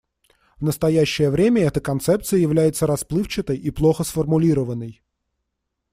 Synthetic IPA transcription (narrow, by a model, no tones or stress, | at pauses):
vnəst̪ɐjæɕːɪjəvɾʲemʲəɛt̪əkɐnt̪sɛp̚t̪sɨjəjɪvlʲæjɪt̪səɾɐsplˠɨft͡ɕɪt̪əjiplˠoxəsfərmʊlʲiɾəvənːəj